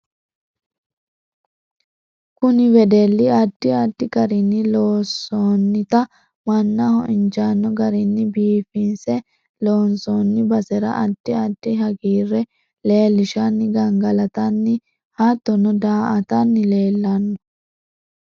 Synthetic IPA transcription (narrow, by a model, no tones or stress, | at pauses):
kʊnɪwɛd̪elːɪɐd̥ːɪɐdːɪɡɐɾinːɪloːsoːnːɪt̪ɐ | mɐnːɐhɔ̰ʔɪnd͡ʒaːnːɔɡɐɾinːɪbiːfɪnsɛ | loːnsoːnːɪbɐsɛɾɐ̰ʔɐd̪̥ːɪɐd̥ːɪɦɐɡiːrːɛ | leːlːɪʃanːɪɡɐŋɡɐlɐt̪ɐnːɪ | haːt̪ːɔnɔd̪aːʔɐt̪ɐnːɪleːlːɐnːɔ